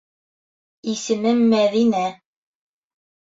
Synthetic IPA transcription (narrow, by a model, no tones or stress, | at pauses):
isɘ̆mɘŋːæðinæ